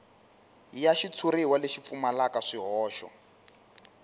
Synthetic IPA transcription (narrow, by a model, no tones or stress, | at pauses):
jaʃit͡sʰuɾiwaleʃip̪fumalakaʂiɦɔːʃɔ̰